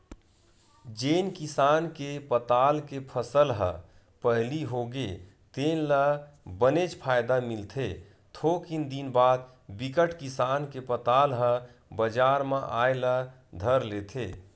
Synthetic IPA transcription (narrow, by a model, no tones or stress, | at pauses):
d͡ʒeːnkisaːnkepət̪aːlkepʰəsəlɦə̰ | pəɦliɦoɡe | t̪eːnləbənet͡ʃpʰaːjd̪amɪlt̪ʰe | t̪ʰokind̪inbaːd̪̚ | bikəʈkisaːnkepət̪aːlɦə̃ | bəd͡ʒaːɾmãʔaːjlə | d̪ʱəɾleːt̪ʰeː